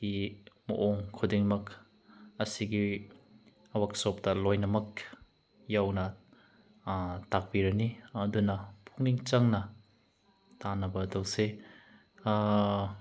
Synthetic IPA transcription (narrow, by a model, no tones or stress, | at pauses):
imɐ̰ʔoŋkʰudiŋmɐk | ɐsiɡi | ɐwaksop̚tɐlojnɐmɐk̚ | jawnɐ | tak̚biɾɐniɐdunɐpʰuŋniŋt͡ʃɐŋnɐ | tanɐbɐdɐwse